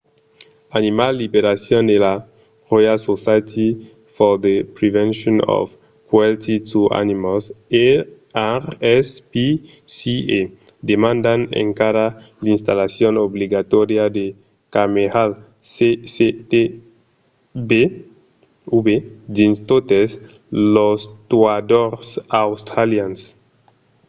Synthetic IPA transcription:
animalːibeɾasjɔ̃nd̪ela | ʁojalsosajt̪ʰi | fɔd̪epɾivɛ̃nʃɔ̃nɔ̰f | kwalt̪it̪ua̰nimose | aʁɛspi | sie | d̪emãnd̪anḛ̃ŋkaɾa | lĩnst̪alasjonobliɡat̪ɔɾjad̪e | kamehal | seset̪e | be | ubed̪ĩnst̪ot̪es | lost̪wad̪oɾsawst̪ɾaljans

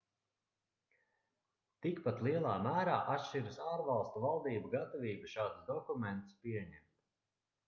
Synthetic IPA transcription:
t̪ikpat̪lˠiɛlˠaːmæːɾaːʔat̪ʃt͡ʃiɾɨsaːɾvalˠst̪uvalˠd̪iːbaɡat̪ɔviːbaʃaːd̪sd̪ɔkumɛnt̪spiɛɲɛmt̪

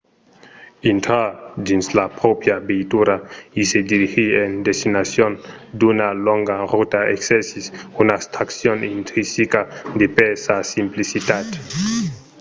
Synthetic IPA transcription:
intʰad͡ʒinslapɾopjabejtuɾaisediɾihiendestinasjondunaloŋɡaʁutaeksesisunast̪ʰaksionintɾisikadepesasimplisitate̥

